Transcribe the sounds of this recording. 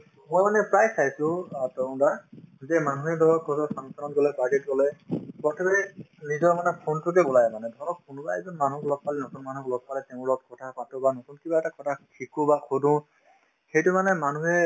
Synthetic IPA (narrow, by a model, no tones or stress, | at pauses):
mɔjmanɛpɹajsajsʊ̃atɔũndazɛmanuɦɛdɔɹɔkʰɔzɔsaŋsanɔtɡɔlɛbaɡetɡɔlɛpɔtʰɔbɛ | nizɔɹmanɛpʰontuk̬ɛbɔlajmanɛdʱɔnɔk̚pʰunbaɛzɔnmanuklɔk̚palɛnɔsɔnmanuklɔk̚palɛtɛʊ̃lɔt̚kʰɔtʰapatɔbanɔsunkibaɛtakɔtʰakʰikubakʰodũ | xejtʊmanɛmanuɦɛ